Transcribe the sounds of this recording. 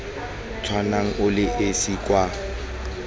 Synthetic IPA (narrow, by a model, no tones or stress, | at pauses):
t͡sʰwanaŋ̩ʔʊlɪʔesikʼwa